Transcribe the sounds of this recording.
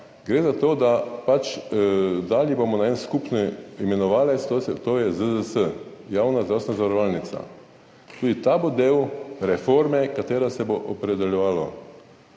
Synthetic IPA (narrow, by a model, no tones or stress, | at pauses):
ɡɾeːzat̪oːd̪apat͡ʃ | d̪aljɛbomɔnaɛnskupniimɛnɔʋaːlest̪osɛt̪oːjɛzəzəsə | jaːwnazd̪ɾawst̪enazaʋaɾɔʋaːlnit̪sa̰ | t̪uːd̪it̪abod̪eːwɾɛfoɾmɛkat̪eːɾasɛboʔɔpɾed̪ɛljɛʋaːlo̰